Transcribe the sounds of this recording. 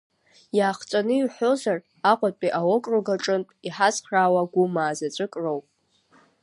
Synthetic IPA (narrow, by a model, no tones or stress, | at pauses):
jaːχt͡sʷʼanɨiħʷozar | aqʷʼat͡pʼiʔawokʼroɡaʈ͡ʂʼɨntʼiħazχraːwaɡʷumaːzat͡ʃʷʼɨkʼrowpʼ